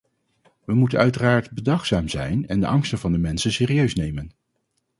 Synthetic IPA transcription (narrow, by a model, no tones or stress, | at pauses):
ʋəmutənœɥtəraːɹtbədɑχsaːmzɛ̰jnɛndə̰ʔɑŋstənvɑndəmɛnsənsɪːriøɥsnejmən